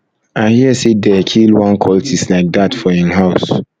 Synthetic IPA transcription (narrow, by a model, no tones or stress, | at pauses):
aɪhiəsedɛkʰilwãnkʰɔltʰislaɪk̚d̪atfɔĩnɦaʊs